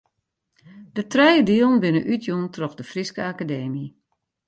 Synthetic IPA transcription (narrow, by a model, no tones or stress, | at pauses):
d̥ətrɛjədiəlˠnbɪnəʔytjuntrɔxdəfriskəakadeːmi